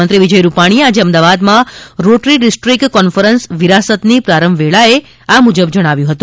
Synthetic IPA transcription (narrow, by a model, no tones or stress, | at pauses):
ənt̪ɾiʋid͡ʒəjɾupaɽ̃iead͡ʒeəmd̪aʋad̪mãɾoʈɾiɖisʈɾikkːɔnfəɾənsʋiɾasət̪nipɾaɾəmʋeɭae | amud͡ʒəbd͡ʒəɽ̃aʋjũɦət̪ũ